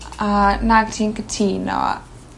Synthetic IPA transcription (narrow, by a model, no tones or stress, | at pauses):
anaɡətʰiːnkətʰiːnɔ̰